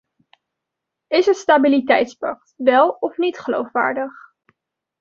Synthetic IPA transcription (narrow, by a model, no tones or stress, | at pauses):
ɪsəstabilitɛjtspɑk̚tʋɛlˠɔfnitχəlo̰wfʋa̰ːɹdəχ